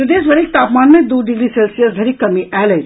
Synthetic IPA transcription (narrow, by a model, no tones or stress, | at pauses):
ɐɖ̪eːsbɐɽiːk̚t̪aːpmaːnmẽd̪uːɖɪɡɾiselsijəsd̪ʱɐɾikːɐmiɛːlɐi